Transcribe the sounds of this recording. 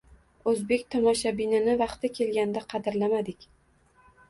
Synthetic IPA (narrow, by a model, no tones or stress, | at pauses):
ɵzbe̞k̚ʲt̪ʰɒmaʃabinɪnɪvɑχt̪ɪkʲʰe̞lɡʲand̪aqʰɑd̪ɪɾlamad̪ɪkʲ